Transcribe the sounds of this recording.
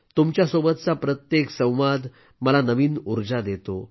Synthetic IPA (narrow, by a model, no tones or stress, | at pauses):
t̪umt͡ɕjasobət̪̚t͡sapɾət̪jeksə̃w̃ʋad̪ | məlanəʋiːnuɾd͡zad̪et̪o